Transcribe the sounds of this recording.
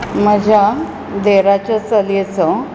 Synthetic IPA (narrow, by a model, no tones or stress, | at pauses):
məd͡ʑʱja | d̪eɾat͡ɕəsəljet͡sə